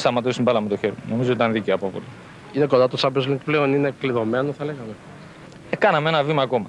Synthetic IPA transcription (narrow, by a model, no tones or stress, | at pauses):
st̪ɐmɐt̪osimbɐlɐmet̪o̞çe̞ɾiono̞mizo̞t̪it̪ɐnðiceɐpovo̰li | ineko̞nd̪ɐt̪osɐbezmikpleoninekliðo̞me̞noθɐleɣɐme̞ | ekɐnɐmeenɐvimɐːko̞mɐ